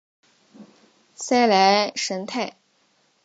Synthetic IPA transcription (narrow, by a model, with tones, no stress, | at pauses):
sa˥ɪla˧˥ɪʂə˧˥nt̪ʰa˥˩ɪ